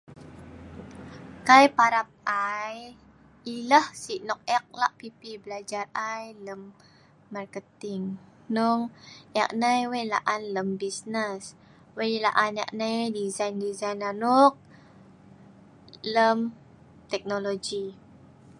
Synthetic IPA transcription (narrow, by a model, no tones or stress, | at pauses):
kajpaɾap̚aj | iləhsiʔnɔk̚ɛk̚laʔpipibəlad͡ʒarajləmː | arkət̪iŋ | nɔŋɛk̚najwejla̰ʔanləmbisnəs | wejla̰ʔana̰ʔnajdizajndizajnanuk̚ | ləm | t̪ɛk̚nolod͡ʒi